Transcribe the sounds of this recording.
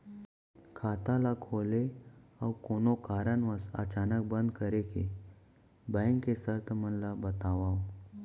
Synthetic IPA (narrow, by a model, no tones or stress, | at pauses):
kʰaːt̪alakʰoːleawkoːnokaːɾənʋəsə̰t͡ʃaːnək̚bə̃nd̪kəɾekḛ | bɛ̃ŋkːesəɾt̪ʰəmənlabət̪aːʋaːo